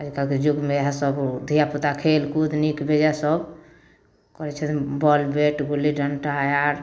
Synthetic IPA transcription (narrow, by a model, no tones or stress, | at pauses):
ad͡ʒkalked͡ʒuɡmeɦasəbd̪ʱijaput̪akʰelkud̪nikbʱed͡ʒasəb | kɔɾɛt͡ʃʰɛt̪bɔlbeʈɡulːiɖənʈajaɾ